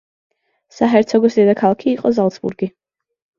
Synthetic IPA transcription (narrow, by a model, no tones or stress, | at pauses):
saɦɛɾt̪sʰɛɡɔsid̪ɛd̪akʰalˠakʰiːqʼɔzalˠt̪sʰbṵɾɡi